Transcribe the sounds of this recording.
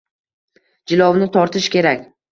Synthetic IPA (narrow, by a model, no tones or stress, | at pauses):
d͡ʒɪlˠɒwnɪt̪ʰɒɾt̪ʰɪʃkʲe̞ɾakʲ